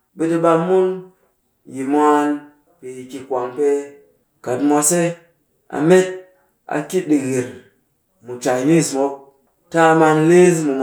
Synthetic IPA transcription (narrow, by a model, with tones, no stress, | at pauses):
bi˦ti˧ɓa˧mːu˦n | ji˨mʷ˦a˦˧n | pi˨ki˨kʷa˨ŋpe˧ | ka˨tmʷa˧se˦ | a̰˨me˦t̚ | a̰˨ki˦t̚ɗi˨ɣi˨ɾ | mu˨t͡ʃa˨jni˦smo˦k̚ | ta˦ma˧ŋle˦zmu˨m